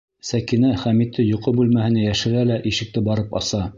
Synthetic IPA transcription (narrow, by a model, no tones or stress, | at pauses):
sækinæχæmit̪ʰːɘjŏqɤbʉlmæhɘ̆næjæʃɘ̆ɾælæʔiʃɘ̆k̚t̪ɘbɑɾɤpɑ̰sɑ